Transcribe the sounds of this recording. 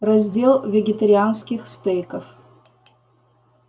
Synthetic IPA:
rɐzʲdʲelˠvʲɪɡʲɪt̪ɐɾʲɪanskʲɪxst̪əjkəf

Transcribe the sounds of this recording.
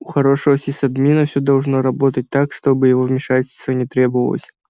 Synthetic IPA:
ʊxɐɾo̞ʂəvəsʲɪsɐbmʲinəfsʲod̪ɐlˠʐno̞ɾɐbo̞t̪ət̚ʲt̪akʂt̪o̞bɨjɪvo̞vmʲɪʂatʲɪlʲst̪vənʲɪt̪ɾʲe̞bəvə̰lˠə̰sʲ

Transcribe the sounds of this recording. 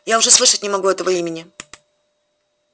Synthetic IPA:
jaʊʐɛslˠɨʂətʲnʲɪmɐɡuɛt̪əvəimʲɪnʲɪ

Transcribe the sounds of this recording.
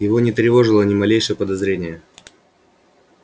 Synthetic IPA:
jɪvonʲɪt̪ɾʲɪvo̞ʐɨlˠənʲɪmɐlʲejʂɨjəpəd̪ɐzɾʲenʲɪjə

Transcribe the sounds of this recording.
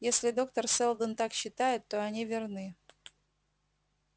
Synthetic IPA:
jesʲlʲɪd̪o̞kt̪ərsɛlˠd̪ənt̪akɕːɪt̪ajɪt̪ːoɐnʲivʲɪrnɨ

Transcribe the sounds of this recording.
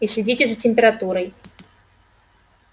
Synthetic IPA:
isʲlʲɪdʲitʲɪzətʲɪmʲpʲɪɾɐt̪uɾəj

